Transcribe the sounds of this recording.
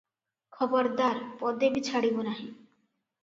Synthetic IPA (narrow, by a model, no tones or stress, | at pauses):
kʰɔbɔɾd̪aɾpɔd̪ebit͡ʃʰaɽibonaɦĩ